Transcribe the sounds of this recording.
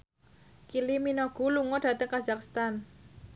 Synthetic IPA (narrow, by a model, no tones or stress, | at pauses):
kiliminɔɡ̥ṳluŋɔɖ̥ä̤t̪əŋkazakst̪an